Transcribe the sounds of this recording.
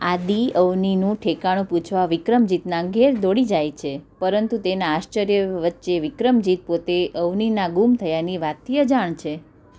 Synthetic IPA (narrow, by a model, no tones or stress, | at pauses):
ad̪iəʋninũʈʰekaɽ̃ũput͡ʃʰʋaʋikɾəmd͡ʒit̪naɡʱeɾd̪oɽid͡ʒajt͡ʃʰepəɾənt̪ut̪enaːʃt͡ʃəɾjəʋət̪ːʃeʋikɾəmd͡ʒit̪̚pot̪eʔəʋninaɡumt̪ʰəjaniʋat̪ʰːijəd͡ʒaɳt͡ʃʰe